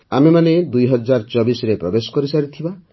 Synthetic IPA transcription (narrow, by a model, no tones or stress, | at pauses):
amemaned̪ujɦɔd͡ʒaɾt͡ʃɔbisɾepɾɔbesɔ̥kɔɾisaɾit̪ʰiba